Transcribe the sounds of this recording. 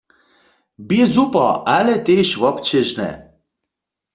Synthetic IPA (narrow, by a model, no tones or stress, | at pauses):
bizupɔʔalɛt̪eʃvɔpt͡ʃʰɛʒnɛ̰